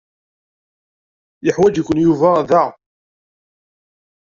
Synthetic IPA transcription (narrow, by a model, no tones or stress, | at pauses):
jəħwæd͡ʒkʷːʊnjuvæðæ